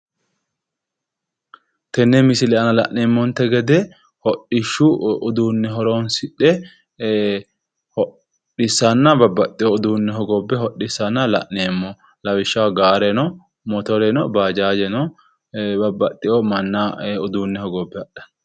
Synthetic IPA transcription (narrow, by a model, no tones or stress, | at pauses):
t̪ɛnːɛmɪsɪlɛɐnɐlɐ̰ʔneːmːɔnt̪ɛɡɛd̪ɛ | hɔɗːɪʃːuʊd̪uːnːɛɦɔɾoːnsɪᶑɛ | hɔ | ɗɪsɐnːɐbɐbːɐt̪ʼːɪjoʊd̪uːnːɛɦɔɡɔbːɛhɔʔːɪsːɐnːɐlɐ̰ʔneːmːɔ | lɐwɪʃːɐwaɡaːɾɛnɔ | mɔt̪ɔɾɛnɔbaːd͡ʒaːd͡ʒɛnɔ | bɐbːɐt̪ʼːɪjɔmɐnːaʊd̪uːnːɛhɔɡɔbːɛɐɗɐ̥